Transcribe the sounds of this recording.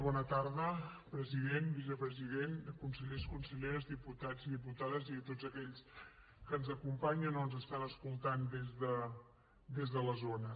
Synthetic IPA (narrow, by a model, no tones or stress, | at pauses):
βɔnət̪aɾðəpɾəziðenbizəpɾəziðenkunsəʎeskunsəʎeɾəzd̪iput̪ad͡ziðiput̪aðəzit̪odzəkɛʎs | kənzəkumpaɲənoənzəst̪anəskulˠt̪and̪ezðə | d̪ezðələzonə